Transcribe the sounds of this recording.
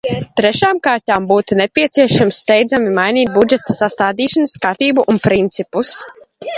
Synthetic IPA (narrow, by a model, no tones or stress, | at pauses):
t̪ɾɛʃaːmkaːɾt̪ʲaːmbuːt̪unepʲiɛt̪siɛʃamsːt̪ɛjd̪zamimajniːt̪̚bud͡ʒɛt̪ḁsast̪aːd̪iːʃanəskaɾt̪iːbuʔunpɾint̪sipus